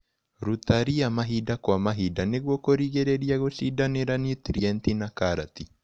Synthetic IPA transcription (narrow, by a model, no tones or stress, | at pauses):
ɾut̪aɾiamaɦidakwamaɦidaneɣwɔkoɾiɣeɾeɾiaɣoʃidaneɾanit̪ɾiɛntinakaɾat̪i